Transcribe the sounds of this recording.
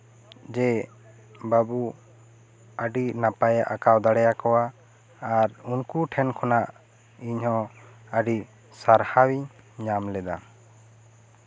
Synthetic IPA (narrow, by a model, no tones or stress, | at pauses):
d͡ʒɛ | babu | əɖinapajaʔakawd̪aɽɛjakɔwaː | ɾunkuʈʰɛnkʰɔnaʔ | iɲɦhɔ̃ | əɖi | saɾhawiɲ | ɲamlɛd̪a